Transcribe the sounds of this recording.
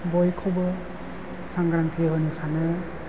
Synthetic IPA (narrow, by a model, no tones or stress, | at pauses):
bɔjkʰɔbɯ | saŋɡɾaŋtiɦɯnisanɯ